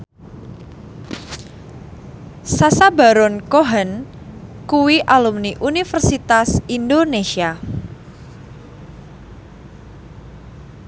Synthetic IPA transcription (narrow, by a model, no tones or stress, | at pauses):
sasaba̤ɾɔnkoɦən | kuwiʔalumniʔunifərsit̪asindonesia